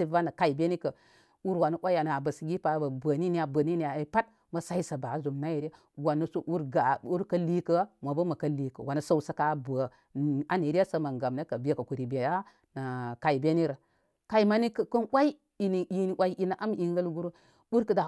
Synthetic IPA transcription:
i˦va˦na˨ka˦i˨be˦ni˦kə˨ | u˦ɾwa˨nu˨˦wʷa˦a˨n˨a˨bə˨si˨ɡʲi˦pa˨˦ba˨bə˨ni˦ni˦a˨bə˨ni˦ni˦ja˨˦pa˦t̚ | mɐ˨sa˦i˦sə˨ba˨˦zu˨mna˦je˨ɾa˦ | wa˨nu˦su˦ʔu˦ɾɡa˨u˦ɾkə˦li˦kə˦ma˨bə˦mɐ˨kɐ˦li˦kə̰˨wa˨nə˦so˦u˦sə˨ka˦bə˨ | a˦ni˨ɾi˦a˦sə˦ma˨ŋɡa˨mne˦kə˨be˦kə˨ku˨ɾi˨be˨ja˦ | na˨ka˨i˨be˦ni˦ɾə˨ | ka˦i˦ma˦ni˦kə˨kə˦nwa˦i˦ | i˨ni˨i˦ni˦wa˦i˦ʔi˦na˨ʔa˦m˦i˨ŋɡə˦lɡu˦ɾu˦ | u˦ɾkə˨da˨

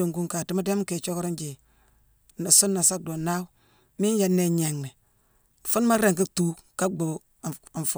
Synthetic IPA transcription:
o˨ŋɡu˦ŋka˨ti˦ma˦de˦mke˨t͡ʃo˦kɾo˦nd͡ʒe˨ | na˨su˦nːa˨sa˦k̚do˨na˦ | mi˦n˦ja˨nːe˦ɲe˨ŋne˨ | fu˦n˦ma˦ɾe˨ŋki˦tu˦ | ka˦ɡ͡bo˨ | a˨n˨f

